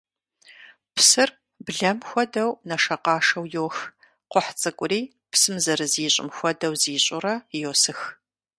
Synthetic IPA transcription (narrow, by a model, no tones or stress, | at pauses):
psɨr | bɮɐmxʷɔdɐwnɐʂɐqɑːʂɐwjoːx | qʷɔħt͡sʼɨkʷʼʊriː | psɨmzɐɾɨziːɕʼɪ̰mxʷɔdɐwziːɕʼʊrɐjoːsɨx